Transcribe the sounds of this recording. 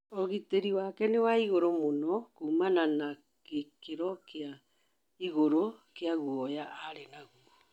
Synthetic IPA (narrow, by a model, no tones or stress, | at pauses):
ɔɣiteɾiwakɛnewaiɣoɾomonɔkuːmanana | kekeɾɔkea | iɣoɾokeaɣuɔjaʔaɾenaɣuɔ